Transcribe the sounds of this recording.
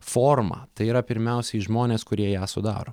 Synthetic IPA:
foːrmɑ̰ːt̪ɐɪiːɾɐpʲɪɾʲmʲɛʊsʲɛɪʒmoːnʲeːskʊɾʲiɛjæːsʊ̰d̪ɑ̰ːɾoː

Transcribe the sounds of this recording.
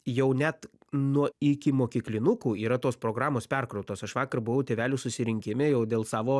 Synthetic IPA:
jɛʊnʲæt̪ | nuɔɪkʲɪmoːkʲiːklʲɪnʊkuːiːɾɐt̪oːspɾoːɡɾɑːmoːspʲɛrkɾɐʊt̪oːsɐʃʋɑːkɐrbʊʋɐʊt̪ʲeːʋʲæːlʲuːsʊsʲɪɾʲɪŋʲkʲɪmʲeːjɛʊd̪ʲeːlˠsɑːʋoː

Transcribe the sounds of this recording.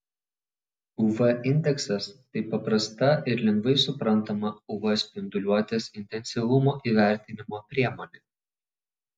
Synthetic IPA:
ʊʋɛʔɪnʲd̪ʲɛksɐst̪ɐɪpːɐpɾɐst̪ɐʔɪɾlʲɛŋɡʋɐɪsʊpɾɐnˑt̪omɐʊʋɐsʲpʲɪnd̪ʊlʲuɔt̪ʲɛsɪnʲt̪ʲɛnʲsʲɪʋˠʊmoːʔiːʋʲæˑɾʲt̪ʲɪnʲɪmoːpʲɾʲiɛmoːnʲe

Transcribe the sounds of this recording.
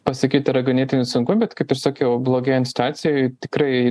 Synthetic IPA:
pɐsɐkʲiːt̪ʲɪɾɐɡɐnʲeːt̪ʲɪnʲʊsʊŋkʊbʲɛt̪kɐɪpɪɾsɑːkʲɛʊblˠoːɡʲɛːɐnʲsʲt̪ɑːt̪sʲɪjoɪt̪ʲɪkɾɐɪ

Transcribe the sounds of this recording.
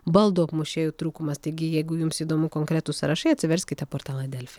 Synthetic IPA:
bɐlˠd̪oːɐpmʊʃʲeːjuːt̪ɾuːkʊmɐst̪ɐɪɡʲɪjɛɪɡʊjʊmsiːd̪oːmʊkoːŋkɾʲæːt̪usɐɾɐʃɐɪɐt̪sʲɪʋʲɛɾʲsʲkʲɪt̪ʲɛpoːɾt̪aːlˠɐd̪ʲɛlʲfʲɛ

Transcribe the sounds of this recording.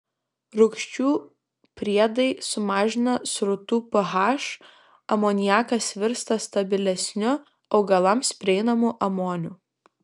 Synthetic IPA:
ɾʊkʃʲt͡ʃʲuː | pʲɾʲiɛd̪ɐɪsʊmɑːʒʲɪnɐsɾʊt̪uːpɐɦɑːʃ | ɐmoːnʲɪjæːkɐsʋʲɪɾst̪ɐst̪ɐbʲɪlʲɛsʲnʲʊ | ɒʊɡɐlˠɐmspʲɾʲɪɛɪnɐmuːʔɐmoːnʲuː

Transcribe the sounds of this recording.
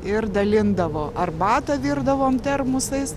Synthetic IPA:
ɪrd̪ɐlʲɪnd̪ɐʋoːʔɐrbɑːt̪ɐʋʲiːrd̪ɐʋoːmt̪ʲɛrmʊsɐɪs

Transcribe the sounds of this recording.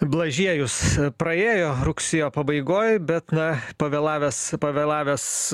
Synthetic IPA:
blˠɐʒʲiɛjʊspɾɐeːjoːɾʊksʲɪjoːpɐbɐɪɡoːjbʲɛt̪nɐpɐʋʲeːlˠɑːʋʲɛspɐʋʲelˠɑːʋʲes

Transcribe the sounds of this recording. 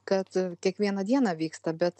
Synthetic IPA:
kɐt̪kʲiɛkʋʲiɛnɐd̪ʲiɛnɑʋʲiːkst̪ɐbʲɛt̪

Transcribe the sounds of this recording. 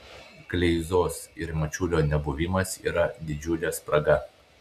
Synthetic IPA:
klʲɛɪzoːsɪɾmɐt͡ʃʲuːlʲoːnʲɛbʊʋʲɪmɐsḭːɾɐd̪ʲɪd͡ʒʲʊlʲɛspɾɐɡɐ

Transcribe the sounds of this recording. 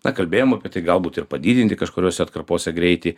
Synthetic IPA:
nɐkɐlʲbʲeːjoːmɐpʲiɛt̪ɐɪɡɐlˠbuːt̪ɪrpɐd̪ʲiːdʲɪnʲt̪ʲɪkɐʃkoːɾʲoːsʲɛɐt̪kɐrpoːsʲɛɡɾʲɛɪt̪ʲɪ

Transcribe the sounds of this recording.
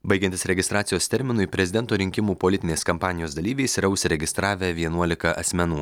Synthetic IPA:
bɐɪɡʲɛnt̪ʲɪsɾʲɛɡʲɪst̪ɾɑːt̪sʲjoːst̪ʲɛɾʲmʲɪnʊɪpʲɾʲɛzʲɪd̪ɛnt̪oːɾʲɪŋʲkʲɪmuːpolʲɪt̪ʲɪnʲeːskɐmpɑːnʲɪjoːsd̪ɐlʲiːʋʲɛɪsɾɐʊsʲɾʲɛɡʲɪst̪ɾɑːʋʲɛʋʲiɛnuɔlʲɪkɐʔɐsʲmʲɛnuː

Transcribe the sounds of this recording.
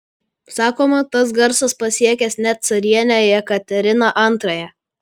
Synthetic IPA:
sɑːkoːmɐt̪ɐsɡɐɾsɐspɐsʲiɛkʲɛsnʲɛt̪̚t̪sɐɾʲiɛnʲɛjɛkɐt̪ʲɛɾʲɪnɐʔɐnˑt̪ɾɐjɛ

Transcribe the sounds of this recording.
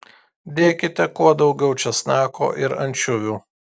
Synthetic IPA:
d̪ʲeːkʲɪt̪ʲɛkuɔd̪ɒʊɡʲɛʊt͡ʃʲɛsnɑːko̰ːʔɪɾɐnʲt͡ʃʲʊʋʲuː

